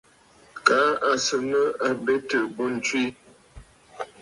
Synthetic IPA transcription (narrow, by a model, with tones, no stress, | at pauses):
ka˨˦a˨sə˨nə˦a˨be˦tə˨bo˦n̩˨t͡ʃwi˦